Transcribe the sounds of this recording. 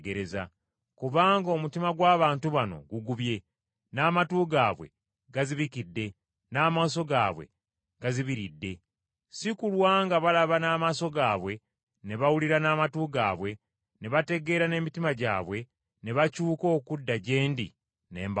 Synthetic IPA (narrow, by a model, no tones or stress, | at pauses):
ɡeɾeza | kuβaːŋɡo̞mutimaɡwaːβaːntuβano̞̰ɡuɡuβje̞ | naːmatuːɡaːβwe̞̰ | ɡaziβikidːe̞ | naːmaːso̞ɡaːβwe̞̰ | ɡ̥aziβiɾidːe̞ | sikulwaːŋɡaβalaβanaːmaːso̞ɡaːβwe̞ | ne̞βawuliɾanaːmatuːɡa̰ːβwe̞ | ne̞βate̞ɡe̞ɾane̞ːmitimaɟa̰ːβwe̞ | ne̞βacuːko̞ːkudːaɟe̞ːndḭ | neːmb